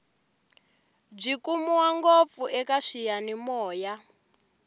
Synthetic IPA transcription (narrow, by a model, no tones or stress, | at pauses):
b͡ʐikumuwaŋɡop̪fuʔɛkaʂijanimɔːja